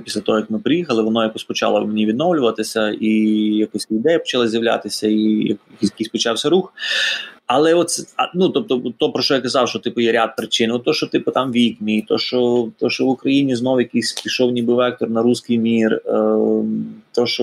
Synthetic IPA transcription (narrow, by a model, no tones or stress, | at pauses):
pʲisʲlʲɐt̪ɔɦɔjɐkmɪpɾɪjixɐlˠɪʋɔnɔjɐkɔsʲpɔt͡ʃɑ̰lˠɐ̰menʲiʋʲid̪nɔwlʲʊʋɐt̪ɪsʲɐijɐkɔsʲʊd̪ɛjɐpɔ̥t͡ʃɐlˠɪzʲjɐwlʲa̰t̪ɪsʲɐijɐ̰kjɐkikisʲpɔt͡ʃɑwsʲɐɾux | ɐlˠɛɔt̪sɛɐnut̪ɔp̚t̪ɔt̪ːɔpɾɔʃt͡ʃɔjakɐzɑwʃt͡ʃɔt̪ɪpʊjɛɾʲad̪̚pɾɪt͡ʃɪnɔt̪ːɔʃt͡ʃɔt̪ɪpʊt̪ɑmʋʲikmʲiit̪ɔʃt͡ʃɔt̪ɔʃt͡ʃɔʋʊkɾɐjinʲiznɔwjɐkijsʲpʲiʃɔwnʲibɪʋɛk̚t̪ɔrnɐɾuskɨjmʲir | t̪ɔʃt͡ʃɔ